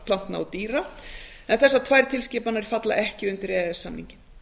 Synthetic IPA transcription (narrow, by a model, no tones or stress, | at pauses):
pʰlan̥t̪na̰at̪iːɾa | ɛnθɛsːat̪ʰvaːjɾ̥t̪ʰɪlscɪːpanaɛɾ̥fat̪la̰ʔɛhcɪʏmt̪ɪɾɛːðɛsːamnḭɲcɪn̥